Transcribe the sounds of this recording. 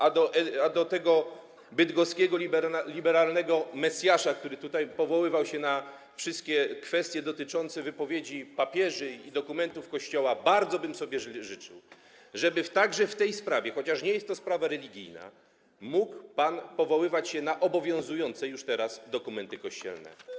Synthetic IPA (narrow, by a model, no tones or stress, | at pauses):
ʔad̪ɔʔɛad̪ɔt̪ɛɡɔ | bɘd̪ɡɔskʲɛɡɔiblʲibɛɾalnɛɡɔmɛsʲjaʂak̚t̪uɾɘt̪ut̪ajpɔvɔwɘvawɕɛna | fʂɘst̪̚kʲɛkfɛst̪ʲjɛd̪ɔt̪ɘt͡ʂɔnt̪sɛvɘpɔvʲjed͡ʑipapʲjɛʐɘid̪ɔkumɛnt̪ufkɔɕt͡ɕɔwabaɾd̪zɔbɘmsɔbʲjɛʐɘt͡ʂɘ̰w | ʐɛbɘft̪aɡʐɛft̪ɛjspɾavʲjɛxɔt͡ɕaʂɲejɛst̪ːɔspɾavaɾɛlʲiɡʲḭjna̰ | mukpanpɔvɔwɘvat͡ɕɕɛnaʔɔbɔvʲjɔ̃w̃zujɔnt̪sɛjuʂt̪ɛɾasd̪ɔkumɛnt̪ɘkɔɕt͡ɕɛ̰lnɛ̰